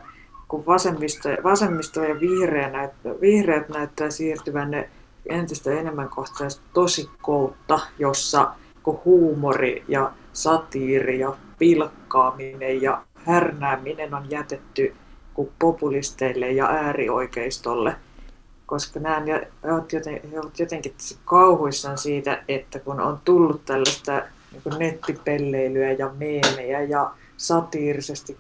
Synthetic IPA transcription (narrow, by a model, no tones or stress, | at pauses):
kuʋʋɑsemːist̪oʋɑsemːist̪ojɑʋihreænæyt̪ʋihreːt̪næyt̪ːæːsiːrt̪yʋænne | ent̪ist̪æenemːæŋkoht̪ɑsɑstt̪osikkout̪ːɑjosːɑ̰ | kuhuːmorḭjɑ | sɑt̪iːrijɑ | pilkːɑːminejjɑ | hærnæːminenonjæt̪et̪ːykupopulist̪eilːejjɑ̰ʔæːrio̰ikeist̪olːe | koskɑnæːnjæoʋt̪jot̪eheoʋɑt̪jot̪eŋkit̪ːæ̥sikkɑuhoisːɑnsiːt̪æ̰et̪ːækuno̰nt̪ulːut̪t̪ælːæst̪æ | niːŋkunnet̪ːipelːeilyæjɑmeːmeæjɑ | sɑt̪iːrisest̪ik